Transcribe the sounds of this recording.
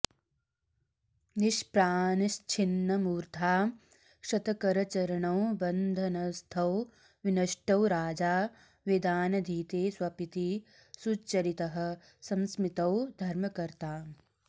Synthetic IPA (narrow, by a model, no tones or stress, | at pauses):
niʃpɾaːnɐʃt͡ʃʰinːɐmuːɾt̪ʰaː | ʃɐt̪ɐkɐɾɐt͡ʃɐɾɐɳɐwbɐnd̪ʱɐnɐst̪ʰɐw | ʋinɐʃʈɐwɾaːd͡ʒaː | ʋid̪aːnɐd̪ʱiːt̪eːswɐpit̪i | sut͡ʃːɐɾit̪ɐɦɐ̆ | sɐ̃msmit̪ɐwd̪ʱɐɾmɐkɐɾt̪aː